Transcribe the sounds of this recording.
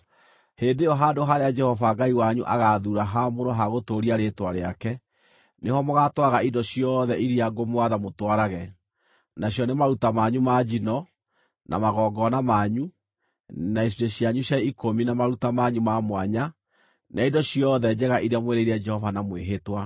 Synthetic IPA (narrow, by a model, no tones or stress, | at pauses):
heːndeɔɦadoɦaɾead͡ʒɛhɔvaɡaiwaɲuʔaɣaðuɾaɦamoɾɔɦaɣotoːɾiaɾetwaɾeakɛ | nehɔmoɣatwaɣaidɔɕiɔðɛʔiɾiaɡomwaðamotwaɾaɣɛ | naɕjɔnemaɾutamaɲumad͡ʒinɔ | nʔa̰maɣɔːɡɔnamaɲu | nais̬ieɕjaɲuɕjaikominamaɾutamaɲumamwaɲa | nʔaindɔɕjɔðɛd͡ʒɛɣaʔiɾeamweɾeiɾɛd͡ʒɛhɔvanamweɦetwa